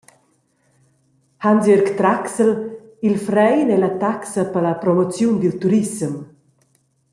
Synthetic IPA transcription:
handøɾkt̪ɾaksəl | ilfɾɛjnɛlat̪aksapalapɾɔmɔt͡sjund̪ilt̪uɾisəm

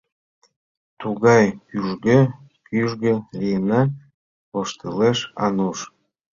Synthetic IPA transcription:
t̪uɣɑjkyʒɣe | kyʒɣəlijənɑ | βoʃt̪eleʃɑ̰nuʃ

